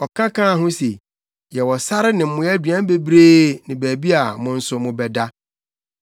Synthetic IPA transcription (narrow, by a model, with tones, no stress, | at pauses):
ɔ˨kʰã˦kʰã˦a˨ɦʊ̃˦se˨ | jɛ˨wɔ˨sa˦ɾɪ˦nɪ̃˨m̩˦mʊ̃˨jɛ˦dɥã˦n˦be˦bɾeː˦nɪ̃˨bæː˨bi˦a˨mʊ̃˨n̩˦sʊ˨mʊ̃˨bɛ˨da˦